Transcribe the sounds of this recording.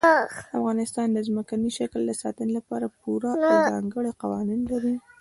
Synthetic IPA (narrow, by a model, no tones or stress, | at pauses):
afɣɑnɪst̪ɑnd̪əzməkaniʃakld̪əsɑ̰t̪ənelapɑɾapuɾaawzɑŋɡəɽeqawɑninlaɾi